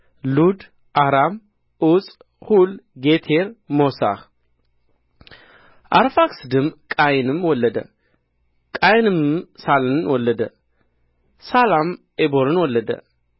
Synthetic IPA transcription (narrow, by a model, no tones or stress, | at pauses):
lud̪ | ʔahɾam | ʔut͡sʼ | hulɡet̪ʰeɾmosa̰x | ʔaɾfaksd̪ɨmkʼajnɨmwɔlːəd̪ə̰ | kʼajnɨmsalɨnɨnwɔlːəd̪ə̰ | salam | eboɾɨnwɔlːəd̪ə̰